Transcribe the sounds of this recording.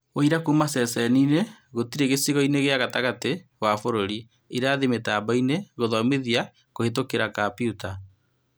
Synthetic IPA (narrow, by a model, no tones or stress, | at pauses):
oiɾakumasɛsɛnineɣotiɾeɣesiɣɔineɣeaɣataɣateɣwafoɾoɾi | iɾaðemetaːbaineɣoðɔmeðia | kohetokeɾakapiuta